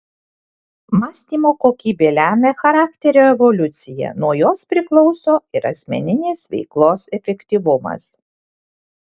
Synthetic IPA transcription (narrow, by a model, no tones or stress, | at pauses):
mɑːsʲt̪ʲiːmoːkoːkʲiːbʲeːlʲæːmʲɛxɐɾɑːkt̪ʲɛɾʲoːɛʋɔlʲʊt̪sʲɪjɛ̰nuɔjoːspʲɾʲɪklˠɔʊsoːɪɾɐ̰sʲmʲɛ̰nʲɪnʲeːsʋʲɛ̰ɪklˠoːsɛfʲɛkʲt̪ʲiːʋʊmɐ̰s